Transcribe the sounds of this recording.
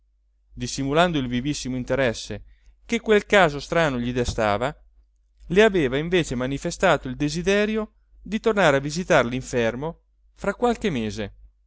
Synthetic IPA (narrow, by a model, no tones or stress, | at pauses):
d̪isːimuland̪oilvivisːimoint̪eɾɛsːe | k̟ekːwelkaːzost̪ɾaːnoʎid̪est̪a̰ːva | leaveːvaiɱveːt͡ʃemanifest̪aːt̪oild̪ezid̪ɛːɾjo | d̪it̪ornaːɾeavːizit̪arliɱfɛrmo | fɾakːwalk̟emeːze